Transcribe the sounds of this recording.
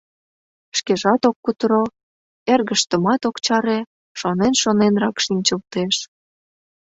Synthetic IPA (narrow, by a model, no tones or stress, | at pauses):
ʃkeʒɑt̪okːut̪ɾo | erɣəʃt̪ə̆mɑt̪okt͡ɕɑɾe | ʃonenʃonenrɑkʃinʲt͡ɕəlt̪eʃ